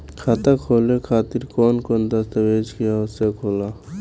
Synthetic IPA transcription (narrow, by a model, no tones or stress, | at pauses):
kʰaːt̪akʰoːlekʰaːt̪ɪɾkoːnkoːnd̪ast̪ɐʋeːd͡ʒkijaʊsekʰoːlaː